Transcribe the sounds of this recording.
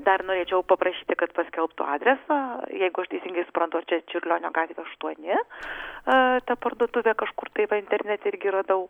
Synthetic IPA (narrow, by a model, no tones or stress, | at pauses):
d̪ɐrnoːɾʲeːt͡ʃʲɛʊpɐpɾɐʃʲiːt̪ʲɪkɐt̪pɐsʲkʲɛlˠpt̪ʊ̰ɑːd̪ʲɾʲɛsɑːjɛɪɡʊɐʃt̪ʲɛɪsʲiːŋɡɐɪsʊ̥pɾɐnt̪ʊɐt͡ʃʲɛt͡ʃʲʊɾʲlʲoːnʲo̰ɡɑːt̪ʲʋʲeɐʃt̪uɔnʲɪ | t̪ɐpɐrd̪uɔd̪ʊʋʲɛkɐʃkʊrt̪ɐɪʋɐɪnʲt̪ʲɛɾʲnʲɛt̪ʲɛɪɾʲɡʲɪɾɐd̪ɐʊ